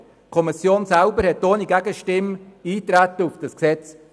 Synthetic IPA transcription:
kʰɔmisjoːnsælbəɾhɛtːoːniɡæɡəʃtɪmiːtɾæt̪əufd̥ɑsksɛt͡s

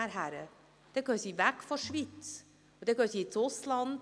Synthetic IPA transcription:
æɾɦæɾə̰ | d̥ɛɡ̥øːsiːvækfɔʃʋit͡s | ud̥ɛɡ̥øːsiːɪt͡sʊslɑnd

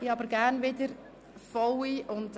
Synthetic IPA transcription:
iɑbəɾɡærnʋɪdəɾ | fɔwiʔʊnd

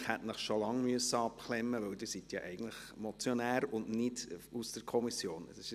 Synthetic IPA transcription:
χhɛtnəχʃolɑŋmyəsːəɑpχlɛmːəʋœwdiːɾsit̪jɑʔɛɪɡən̩tləχmot͡sjɔnæːɾʊndnɪdusd̥əɾkʰɔmisjoːnsɪʃ

